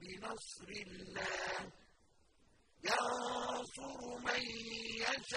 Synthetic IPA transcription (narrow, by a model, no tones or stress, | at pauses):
bɪnɑsˤɾɪlːaːh | jɑnsˤʊɾʊmajjaʃ